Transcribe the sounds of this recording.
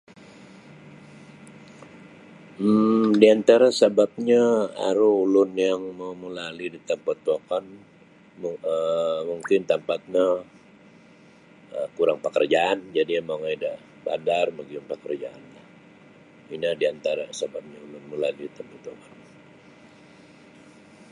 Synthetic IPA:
diant̪aɾasabap̚ɲaa̰ɾuulʊnjaŋməməlalidit̪əmpət̪ːuakan | əmuŋkɪnt̪əmpat̪̚ɲa | əkuɾaŋpəkə̰rd͡ʒaʔand͡ʒadiamaŋaida | ba̰darməɡiʊnpəkərd͡ʒaʔa̰nlah | inadiant̪aɾasəbap̚ɲaulʊnməlalidit̪əmpat̪uakan

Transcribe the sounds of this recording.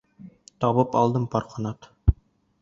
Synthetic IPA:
t̪ɒβɤpɒ̰lˠd̪ɤmpɒɾqɤ̆nɑt̪

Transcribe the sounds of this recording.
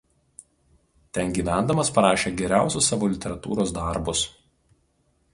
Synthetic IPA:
t̪ʲɛnɡʲiːʋʲæˑnd̪ɐmɐspɐɾɑːʃʲeːɡʲɛɾʲæˑʊsʲʊsːɑːʋoːlʲɪt̪ʲɛɾɐt̪ṵːɾoːsd̪ɑˑɾbʊs

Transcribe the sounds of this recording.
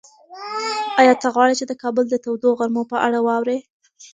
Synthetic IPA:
ɑjɑt̪əɣwɑɽit͡ʃed̪əkɑbəld̪ət̪awd̪oɣaɾmopəʔa̰ɽawɑwɾe

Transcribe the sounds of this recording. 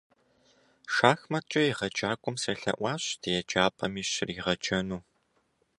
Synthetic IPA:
ʃaːxmɐt͡ʃʼɐjiʁɐt͡ʃʼaːkʷʼʊmsɐɬɐ̰ʔʷɑːɕdʰejɛt͡ʃʼaːpʼɐmiːɕɪriʁɐt͡ʃʼɐnuː

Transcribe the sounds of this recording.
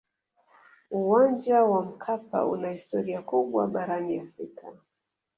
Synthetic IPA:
uwand͡ʒawam̩kʰapa̰ṵnahistɔɾiakuɓwa̰ɓaɾaniafɾikʰa

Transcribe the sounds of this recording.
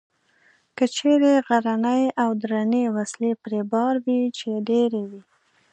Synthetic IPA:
kət͡ʃeɾeɣaɾanəjawd̪ɾanewaslepɾebɑɾwit͡ʃeɖeɾewi

